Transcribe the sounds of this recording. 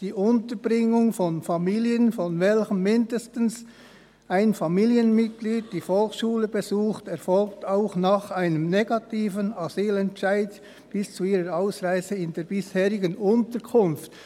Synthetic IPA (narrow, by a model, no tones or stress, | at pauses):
d̥iːʔʊntəbʁɪŋʊŋfɔnfɑmiːliənfɔnvɛlçəmːɪndəstn̩s | aɪnfɑmiːljənmɪt̚ɡ̥liːd̚d̥iːfɔlxsʃuːləbezuːxtɛʁfɔlk̚taʊxnɑχaɪnəmneɡɑtʰiːvənazyːlɛntʃaɪd | b̥ɪst͡suiːʁəɾaʊsʁaɪzəɪndeːɐb̥ɪsheːʁɪɡənʊntəkʰʊnft